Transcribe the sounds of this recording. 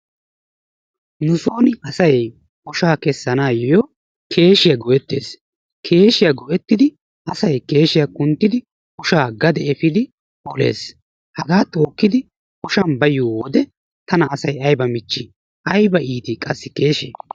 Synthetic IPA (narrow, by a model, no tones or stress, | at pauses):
nʊsoːnɪɐsɐj | ʊʃaːkɛsːɐnaːjjɔ | kʰe̞ːʃɪjɐɡɔʔɛt̪ːḛːs | kʰe̞ːʃɪjaɐɡɔʔɛt̪ːɪd̪ɪ | ʔɐsɐjke̞ːʃɪjakʼʊnt̪ːɪd̪ɪ | ʊʃaːɡɐd̪ɛɛfɪd̪ɪ | ɔle̞̰ːs | hɐɡaːt̪o̞ːkːɪd̪ɪ | ʊʃɐnbɐjuwɔd̪ɛ | t̪ɐnɐːsɐjɐjbɐmɪt͡ʃːɪ | ʔɐjbɐiːt̪ɪkʼɐsːɪ̥ke̞ːʃḛː